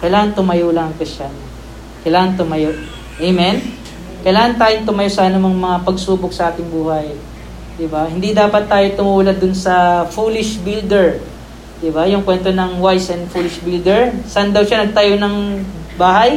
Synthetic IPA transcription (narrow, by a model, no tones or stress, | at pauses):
kɐjlaːŋɐnt̪ʊmɐjuːlɐɐŋkɪʃan | kɐjlaːŋɐnt̪ʊmɐjoʔ | ʔejmɛn | kɐjlaːŋɐnt̪aːjoŋt̪ʊmɐjosɐʔɐnomɐŋmɐŋapɐɡsuːbok̚sɐʔaːk̪ɪŋbuːhɐj | d̪ɪbahɪnd̪id̪aːpɐt̪ːaːjot̪ʊmuːlɐd̪ʊnsɐfuːlɪʃbild̪ɛɹ | d̪ɪbajʊŋkwɛnt̪o̞nɐŋwajsɛnd̪fuːlɪʃbild̪ɛɹsnd̪ɐwʃanɐɡ̚t̪ajonɐŋbaːɦɐj